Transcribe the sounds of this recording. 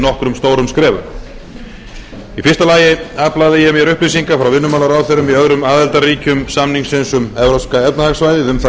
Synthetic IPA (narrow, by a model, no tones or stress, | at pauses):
nɔhkɾʏmst̪oːwɾʏmskɾɛːvʏ̰ɾ | ifɪr̥st̪alaːjɪaːplaðɪjɛmjɛɾʏhplisiŋkafɾawvɪnːʏmaːlaɾaːwθeɾʏmiœðɾʏmaːðɛlt̪ariːcʏmsamniŋsɪnsʏmɛvɾaskaɛt̪nahɛksvaːjðɪðɛnθ